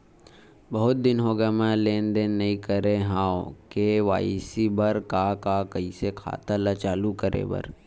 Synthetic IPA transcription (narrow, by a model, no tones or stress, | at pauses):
bɐɦʊt̪̚d̪ɪnɦoːɡamɛ̃leːnd̪eːnːɐĩkəɾeɦãːokeʋa̰ːisibɐɾkakakɐisekʰa̰ːt̪alɐt͡ʃaːlukəɾḛbɐ̰ɾ